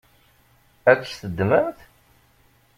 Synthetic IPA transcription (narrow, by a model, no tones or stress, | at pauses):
ækʷːstəd̪ːməmθ